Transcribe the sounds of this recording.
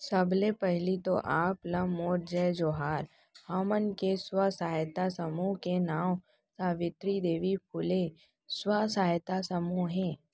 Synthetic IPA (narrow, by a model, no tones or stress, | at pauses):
sɐblepɛɦlit̪o̰ʔaːpləmoːɾ̚d͡ʒɛːd͡ʒoːɦaːɾ | hɔːmənkeswəsaːjt̪asəmuɦkenaːm | saːʋɪt̪ɾid̪eːʋipʰʊle | swəsaːjt̪asəmuɦɦɛ̃ː